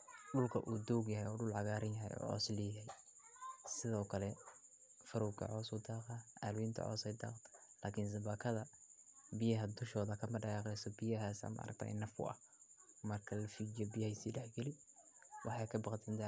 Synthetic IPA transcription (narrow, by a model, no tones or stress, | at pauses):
ɗʊlkʰɐ̰ʔuːd̪ɔwɡjɐɦɛjɔːɖʊlʕɑɣaːɾɐnjɐɦɛ̰jɔ̰ːʕɔ̰ːslɛːjɐhɛj | sɪðɔːkʰɐlɛ | fɐɾɔwkʰɐ̰ʕɔːsʊd̪ɑːqɐʔa̰ːlʊwint̪ʰɐ̰ʕɔ̰ːsɛjd̪ɑ̰ːq | laːkʰɪns̬ɐbaːkʰɐðɐbɪjɐɦɐd̪ʊʃɔːðɐkʰɐmɐɖɐjɑːqɛjsɔbɪjɐɦaːsɐ̰mɐʔɐ̰ɾɐ̰k̚t̪ʰa̰ːnɐfʊ̰ɐ̰h | mɐrkʰɐlɐfid͡ʒɐbɪjhɐsiːɖɛħɡɛlɪwʔɑ̰ħɑjkʰɐbɑqt̪ʰɐnt̪ʰa